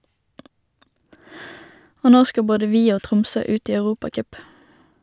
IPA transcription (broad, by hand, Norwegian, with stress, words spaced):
ˈoː ˈnoː ˈskɑ ˈboːdə ˈʋiː ˈoː ˈtʁʊmsøː ˈʉːt ˈiː ɑʉˈʁuːpɑˌkœp